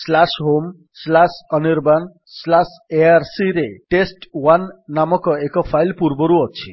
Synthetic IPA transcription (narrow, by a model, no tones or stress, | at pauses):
slasɦom | slasʌniɾban | slas | eaɾsiɾeʈesʈwanːamɔkɔekɔpʰajlpuɾbɔɾuɔt͡sʰḭ